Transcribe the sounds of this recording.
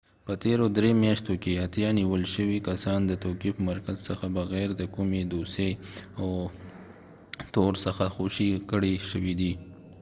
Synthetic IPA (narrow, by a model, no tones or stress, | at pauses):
pət̪eɾod̪ɾemjɑʃt̪okehat̪jɑniwəlʃəwikasɑnd̪ət̪okipəmaɾkazsəxabəɣɛɾd̪əkumed̪osea | t̪oɾsəxaxoʃikəɽeʃəwid̪i